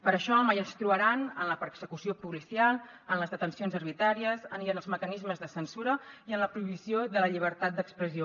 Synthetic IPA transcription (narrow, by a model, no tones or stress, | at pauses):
pəɾəʃɔmajənst̪ɾuəɾanənləpəɾksəkusiopulisialˠ | ənləzðət̪ənsionzərβit̪ɾaɾiəzəniənəlˠzməkənizməzðəsənsuɾəiənləpɾuiβ̞isioðələʎiβ̞əɾt̪at̪̚d̪əkspɾəzio